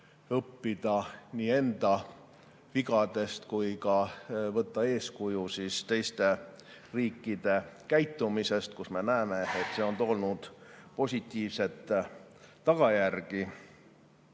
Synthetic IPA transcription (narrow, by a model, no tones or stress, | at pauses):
ɤpːid̪̥ɑniːe̞nd̪̥ɑ | viɡɑd̪̥e̞st̪kujkɑvɤt̪ːɑe̞ːskujusiːst̪e̞jst̪e̞ | riːkːid̪̥e̞kæjt̪ːˑumise̞st̪̚kusme̞næeme̞et̪seo̞nt̪o̞lnud̪̥po̞sʲit̪ˑːiːvse̞t̪ˑː | ɑɡ̥ɑjærɡ̥i